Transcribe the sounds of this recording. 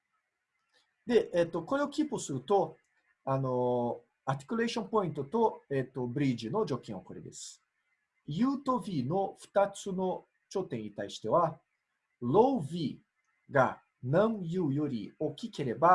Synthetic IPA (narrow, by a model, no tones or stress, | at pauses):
d̪e̞et̪ːo̞ko̞ɾe̞okʲipːosɨɾɯ̟t̪o̞ | ano̞ | at̪ʲi̥kʲy̟ɾe̞ːɕõ̞mpo̞ĩnt̪o̞t̪o̞et̪ːo̞bɯ̟ɾʲiʑino̞d͡ʑo̞kʲẽɰ̃o̰koɾed̪e̞̰sɨ̥ | jɯːt̪o̞bʲiːno̞ɸɯ̟̥t̪at͡sɨno̞ | t͡ɕo̞ːt̪ẽɲ̟ɲːit̪aiɕi̥t̪e̞β̞a | lo̞bʲiː | ɡa̰ | nãɴjɯːjo̞ɾʲḭo̞kʲike̞ɾe̞ba